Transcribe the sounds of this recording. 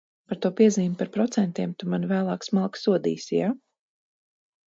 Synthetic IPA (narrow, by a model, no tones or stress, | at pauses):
paɾt̪uɔpiɛziːmpaɾpɾɔt̪sɛnt̪iɛmt̪umanvæːlˠɑːksmalˠksuɔd̪ḭːsijaː